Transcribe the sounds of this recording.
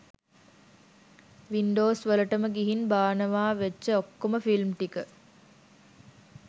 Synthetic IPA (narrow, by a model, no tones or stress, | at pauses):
ʋiɳɖoːsʋəlɐʈəməɡiɦinbaːnəʋaːʋeːt͡ʃːəokːoməfilmʈ̪ikə